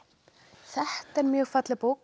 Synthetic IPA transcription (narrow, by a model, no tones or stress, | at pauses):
θɛht̪ɛɾmjœːɣfat̪lɪpoːwk